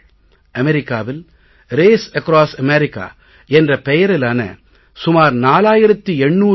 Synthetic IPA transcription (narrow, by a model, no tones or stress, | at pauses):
ɐmɛɾɪkːaːʋɪl | ɾeːsɐkɾaːsɐmɛɾɪkːa̰ː | ɛndrɐpɛjɐɾɪlaːnɐ̰ | sʊmaːɾnaːlaːjɪɾɐt̪ːiɛɳːuː